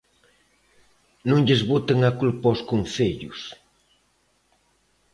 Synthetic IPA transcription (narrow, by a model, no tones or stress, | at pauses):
nũŋʎezβot̪aŋakulpɔskonθeʎʊ̰s